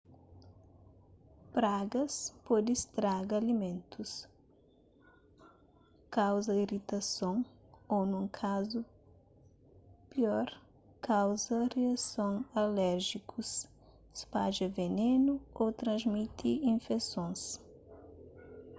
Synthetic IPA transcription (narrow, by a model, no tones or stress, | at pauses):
pɾaɡɐspɔd̪ɪst̪ɾaɡalimẽnt̪us | kawzɐirit̪ɐsõŋ | ownũŋkʰazu | piɔɾ | kawzɐreasõŋalɛɾʒikʰus | spaʒɐvenenuot̪ɾɐ̃zmit̪ʰiĩnfesõŋs